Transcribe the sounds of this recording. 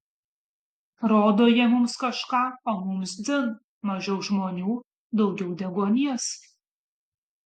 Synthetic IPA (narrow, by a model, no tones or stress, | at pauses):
ɾoːd̪oːjɛmʊmskɐʃkɑːoːmʊmsd͡z̪ʲɪn | mɐʒʲɛʊʒmoːnʲuː | d̪ɒʊɡʲɛʊd̪ʲɛɡoːnʲiɛs